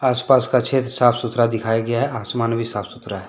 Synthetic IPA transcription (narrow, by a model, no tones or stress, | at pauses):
aːspaːskakt͡ʃʰeːt̪ɾəsaːpʰsʊt̪ɾad̪ɪkʰaːjaɡɐjaɦɛʔaːsmaːnbʱisaːpʰsʊt̪ɾaɦɛ